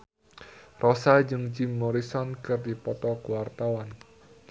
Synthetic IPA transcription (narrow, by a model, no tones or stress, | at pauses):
rʔɔsad͡ʒɨŋd͡ʒɪmːɔɾisɔnkɨrdipɔt̪ɔkəwart̪awan